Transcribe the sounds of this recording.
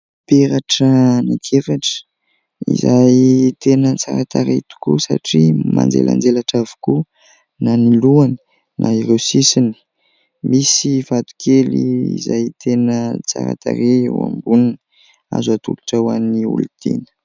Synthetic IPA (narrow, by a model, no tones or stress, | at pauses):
peɾaʈ͡ʂənikʰeɾaʈ͡ʂə̥ | ḭzajt̪enət͡saɾat̪aɾet̪u̥kusaʈ͡ʂima̰nd͡zḛlʔa̰nd͡zelaʈ͡ʂavu̥ku | naniluanə̥ | nʔaiɾewsisini̥ | misivat̪u̥kʰeliizajt̪ʰenət͡sa̰ɾa̰t̪a̰ɾeewa̰mbunini̥ | a̰zat̪uluʈ͡ʂawaniṵlud̪̥ḛnə̥